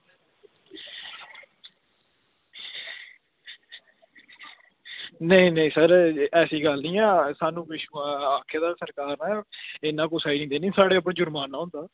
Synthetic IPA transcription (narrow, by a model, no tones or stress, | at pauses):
nəĩːnəĩːsəɾɛːsiːɡəlnĩːɛːsaːnũːʋɪʃaːkʰːeːd̪aːsəɾkaːɾnɛ̃ːɪnãːk̬ʊsaːiːnĩːd̪eːnĩːsaːɽeːəp̬ɽẽːd͡ʒʊɾmaːnːaːʊ̃ːnd̪aː